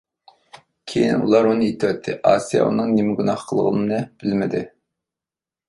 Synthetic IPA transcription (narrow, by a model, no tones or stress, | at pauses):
kʲʰejinṵlˠɑɾunɨet̪ʰwɛt̪ʰːɪʔɑːsijɑ̰ṵnɨŋnɪmɪɡunɑχqʰəlˠʁə̰nɨnɨb̥ɪlmɪd̪ɪ